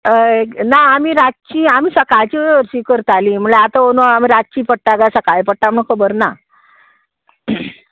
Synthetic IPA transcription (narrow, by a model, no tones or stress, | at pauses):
enaːmiːɾad͡ʑt͡ɕiamiːsəkajt͡ɕiːʋəɾɕiːkəɾt̪aliːm̤əɭeat̪aonamiɾat͡ɕiːpəɽ̚ʈːaɡasəkajpəɽʈam̤əɳ̃kʰəbəɾna